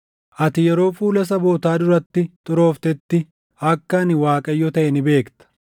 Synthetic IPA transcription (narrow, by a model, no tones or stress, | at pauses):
ʔɐt̪ɪjɛɾo̞ːfuːlɐs̬ɐbo̞ːt̪aːd̪ʊɾɐt̪ːɪt̪ʼʊɾo̞ːft̪ɛt̪ːɪ | ɐkːɐnɪwaːkʼɐjːɔt̪ɐʔɛnɪbe̞ːkt̪ɐ̥